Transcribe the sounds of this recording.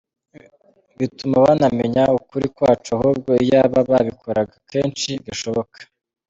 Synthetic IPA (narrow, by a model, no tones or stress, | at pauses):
βitumawanameɲaukuɾikwaːt͡ʃuaɦuːb̚ɡo̞ijaβaβaβikʰoɾaɡakʰe̞ːnt͡ʃiɡaʃo̞βo̞kʰḁ